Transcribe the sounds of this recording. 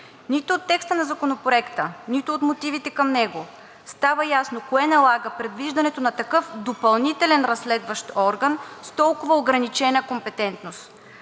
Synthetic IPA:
nit̪ʊːt̪ːɛkst̪ənɐzɐkonopɾoɛkt̪ənit̪ʊot̪mot̪ivit̪ɛkɐmnɛɡo | st̪avəjasnokoɛnɐlˠaɡəpɾɛd̪viʒd̪ɐnɛt̪onɐt̪ɐkɤfd̪opɐlˠnit̪ɛlɛnɾɐsːlɛd̪vəʃt̪ɔɾɡənst̪ɔlˠkʊvəoɡɾɐnit͡ʃɛnəkompɛt̪ɛnt̪nost̪

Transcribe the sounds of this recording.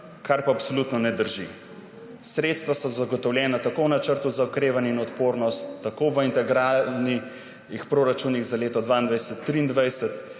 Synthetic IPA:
kʰaɾpaːpsolut̪nɔnɛd̪əɾʒḭ | sɾet̪st̪ʋasɔzaɡɔt̪ɔwljɛːnat̪akownat͡ʃəɾt̪uzaukɾeːʋanjɛinɔt̪poɾnɔst̪ːakoʋəint̪ɛɡɾalni | ixpɾoːɾat͡ʃuniɣzaleːt̪ɔd̪ʋaind̪ʋajsət̪ːɾiːnd̪ʋajsət̪

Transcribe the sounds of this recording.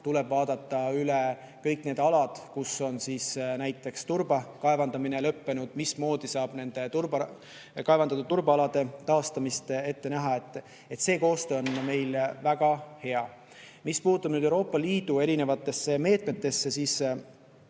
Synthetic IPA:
t̪ule̞b̥vɑːd̪ɑt̪ˑːɑyle | kɤjkne̞d̪ɑlɑd̪̥kusːo̞nsiːsnæjt̪ːˑe̞kst̪urb̥ɑkɑevɑnd̪ɑminelɤpːe̞nud̪̥mismo̞ːd̪isɑːb̥ne̞nd̪̥e̞t̪uɾb | kɑevɑnd̪ɑd̪ɑt̪urbɑlɑd̪̥e̞t̪ɑːst̪ɑmist̪e̞t̪ːe̞næɦɑet̪ːˑ | e̞t̪se̞ːko̞ːst̪øːonme̞jlvæɡ̥ɑhe̞ɑ | mispuːt̪ːˑub̥nyːd̪euwɾoːpːˑɑliːd̪̥ue̞ɾine̞vɑt̪ːˑe̞sːe̞me̞ːt̪ˑme̞t̪ːˑe̞sːe̞siːs

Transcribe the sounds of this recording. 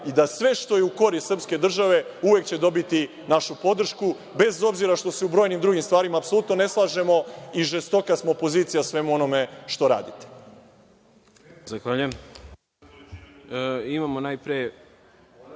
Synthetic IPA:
id̪asʋe̞ʃt̪o̞jeuko̞ɾir̩pske̞d̪r̩ʒaʋe̞uʋe̞kt͡ɕe̞d̪o̞bit̪i | naʃupo̞d̪r̩ʃku | be̞zo̞bziɾaʃt̪o̞seubɾo̞jnimd̪ɾuɡimst̪ʋaːɾimaːpso̞lut̪no̞ne̞slˠaːʒe̞mo̞iʒest̪o̞kasmoːpo̞ziːt̪sijasʋe̞muo̞no̞me̞ʃt̪o̞ɾa̰ːd̪it̪e̥ | zaxʋaːʎujem | imamonajpɾije

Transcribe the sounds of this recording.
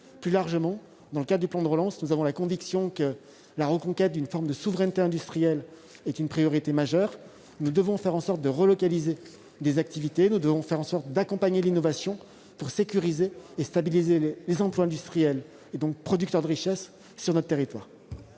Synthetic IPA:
plylaʁʒəmɑ̃ | d̪ɑ̃ləkad̪ʁəd̪yplɑ̃d̪əʁəlɑ̃snuzavɔ̃lakɔ̃viksjɔ̃kə | laʁəkɔ̃kʲɛt̪̚d̪ynfɔʁmd̪əsuvʁɛnt̪eɛ̃d̪yst̪χijɛl | ɛt̪ynpχijɔʁit̪emaʒœːʁ | nud̪əvɔ̃fɛʁɑ̃sɔʁt̪̚d̪əʁəlɔkalize | d̪ezak̚t̪ivit̪enud̪əvɔ̃fɛʁɑ̃sɔʁt̪̚d̪akɔ̃paɲelinɔvasjɔ̃ | puʁsekʲyʁizeːst̪abilizelezɑ̃plwaɛ̃d̪yst̪χijɛl | ed̪ɔ̃k̚pχɔd̪ykt̪œʁd̪əʁiʃɛsː | yʁnɔt̪χt̪eʁit̪waːʁ

